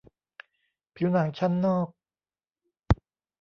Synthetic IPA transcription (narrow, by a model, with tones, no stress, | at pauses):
pʰiː˨˦wnaː˩˦ŋt͡ɕʰa˥˩nːɔː˥˩k̚